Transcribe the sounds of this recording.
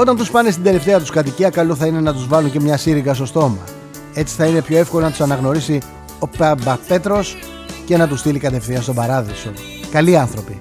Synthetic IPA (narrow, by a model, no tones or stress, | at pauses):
o̞t̪ɐnt̪uspɐnest̪ind̪e̞le̞ft̪e̞ɐt̪uskɐt̪̬iciɐkɐloθɐine̞nɐt̪uzvɐluɲce̞mɲɐsiɾiɣɐst̪o̞st̪o̞mɐ̰ | e̞t͡si̥θɐine̞pço̞efkolonɐt̪u̥sɐnɐɣno̞ɾisi | o̞pɐmbɐpe̞t̪ɾo̞s | ce̞nɐt̪ust̪ilikɐt̪e̞fθinɐst̪obɐɾɐðiso̞ | kɐliɐnθɾo̞pi